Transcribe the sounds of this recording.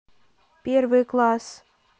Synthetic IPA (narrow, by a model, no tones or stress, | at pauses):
pʲervɨklˠɑs